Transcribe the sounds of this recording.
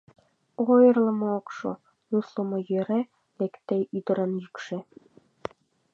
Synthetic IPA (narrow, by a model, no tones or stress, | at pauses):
ojɤ̆rlˠɤ̆mookʃo̰ | nuslɤ̆mŏjøɾe | lekt̪ejyd̪ɤ̆ɾənjykʃĕ